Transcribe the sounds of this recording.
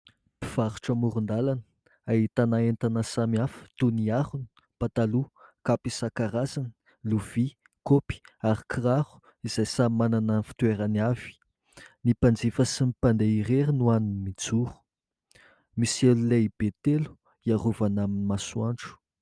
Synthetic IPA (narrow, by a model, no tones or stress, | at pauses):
pi̥v̥aɾu̥ʈ͡ʂəmuɾund̪alanə̥ | ait̪anaent̪anəsamiafə̥t̪uniaχuni̥ | pat̪alukapisakaɾazanə | luv̥i | kopi̥aɾikrahu̥ | iz̥ajsamanananfi̥t̪ueɾaniav̥i̥ | mipand͡zifəsimipand̪eiɾeɾinuanunimid͡zuɾu̥ | miseluleb̥et̪elu̥ | iaɾuvanaminimasuaɳʈ͡ʂu̥